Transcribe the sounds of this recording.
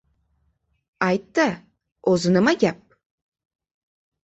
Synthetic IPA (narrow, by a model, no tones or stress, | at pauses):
ɑjt̪ːə | ozɨnɨmaɡʲap̚